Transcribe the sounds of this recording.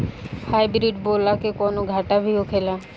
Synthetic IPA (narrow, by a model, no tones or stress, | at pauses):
hajbɾiʈbolakekɔnoɡʱaʈabʱiokʰela